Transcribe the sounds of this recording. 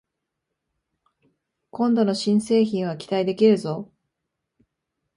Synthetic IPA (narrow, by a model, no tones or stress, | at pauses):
kõ̞nd̪o̞no̞ɕĩɰ̃se̞ːçĩɰ̃β̞akʲi̥t̪aid̪e̞kʲiɾɯ̟zo̞